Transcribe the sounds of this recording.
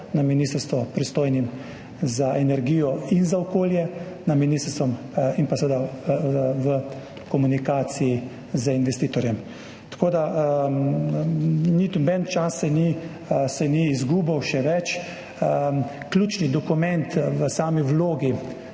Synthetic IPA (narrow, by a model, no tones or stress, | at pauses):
naminist̪əɾst̪ʋɔpɾist̪oːjnim | zaʔɛnɛɾɡiːjɔinzaɔkoːljɛ | naminist̪əɾst̪ʋɔm | inpasəɛʋed̪a | ʋə | kɔmunikaːt̪siji | zəinʋɛst̪iːt̪ɔɾjɛm | t̪ḁkoːd̪a | nit̪unbɛnt͡ʃasːɛni | sɛniːzɡuːbɐwʃɛʋɛt͡ʃ | klʲuːt͡ʃnid̪ɔkumɛ̃nt̪ʋəsaːmiwloːɡi